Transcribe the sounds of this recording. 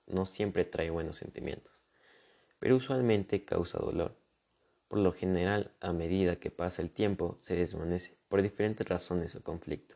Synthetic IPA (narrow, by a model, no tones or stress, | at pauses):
no̞sje̞mpɾet̪ɾaeβwe̞no̞sːe̞̰nt̪imjẽ̞̰nt̪o̥s | pe̞ɾouswalmẽ̞nt̪e̞ka̰wsa̰ð̞o̰lo̞̰ɾ | po̞ɾlo̞xe̞ne̞ɾalame̞ðiðake̞pasaelt̪je̞mpo̞se̞ðezmane̞se̥po̞ɾðife̞ɾe̞nt̪esraso̞ne̞so̞ko̞ɱflḭk̚t̪o̥s